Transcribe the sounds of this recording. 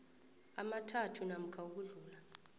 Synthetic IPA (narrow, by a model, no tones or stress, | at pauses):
a̰matʰatʰunam̩kʰauk̬uɮuːla